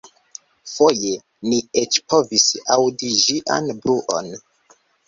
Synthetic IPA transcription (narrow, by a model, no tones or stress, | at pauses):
fo̞je̞ | niet͡ʃpʰo̞visawdiʒiʔa̰nbɾuʔo̰n